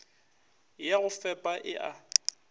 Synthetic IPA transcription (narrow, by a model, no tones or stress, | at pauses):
jaɣʊfɛpʼaʔɪʔa